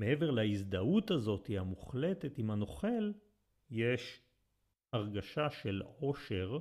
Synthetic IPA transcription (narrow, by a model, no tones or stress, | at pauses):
meeve̞ʁlaizd̪authazo̞tihamuχle̞tetimhano̞χe̞l | je̞ʃ | aʁɡaʃaʃe̞lo̞ʃe̞ʁ